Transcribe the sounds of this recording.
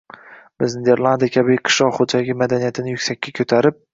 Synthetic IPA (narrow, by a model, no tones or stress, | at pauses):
bɪznɪd̪eɾlˠand̪ijakʲʰabɪqʰɨ̥ʃlˠɒʁχod͡ʒalɪɡʲɪmad̪anijat̪ʰɪnɪjʊkʲsakʲːakʲʰɵt̪ʰaɾɪp̚